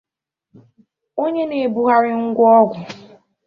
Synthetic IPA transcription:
o˦ɲe˦ne˨e˨bu˦ɦa˦ɾɪ˦ŋ̩˦ɡʷɔ˦ɡʷʊ˨

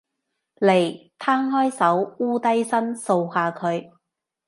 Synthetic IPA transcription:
le˨˩jt̪ʰaː˥ŋɦɔː˥jsɐ˨˥wuː˥t̪ɐ˥jsɐ˥nso˧whaː˧kʰɵ˨˧ɥ

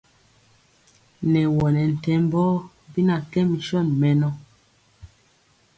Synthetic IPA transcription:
nɛ˨wɔ˨nɛ˨n̩˨tɛ˨˦mbɔ˦ | bi˦na˨kɛ˦mi˨ʃɔ˦˨nmɛ˨nɔ˦

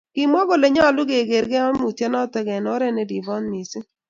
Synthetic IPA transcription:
ɡ̥i˨mɔ˦ɡo˦le˨ɲɔ˦˨lʊ˦ɡe˨ɡe˨ɾɡɛ˦ɔ˦nmu˨tɛ˦nɔ˦tɛ˦ɡɛ˨nɔ˦ɾɛ˦nɛ˨di˨bɔ˦nmi˨sɪ˦

